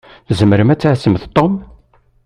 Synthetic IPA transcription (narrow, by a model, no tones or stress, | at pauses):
θzəməɾəmæt͡sːʕsəmθt̪ˤːom